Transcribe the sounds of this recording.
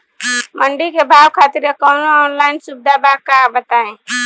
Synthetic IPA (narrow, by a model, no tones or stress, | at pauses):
mə̃ɳɖikebʱaːwkʰaːt̪ɪɾekɔːnɔːnlaːɪnsʊb̚d̪abakabət̪aːẽː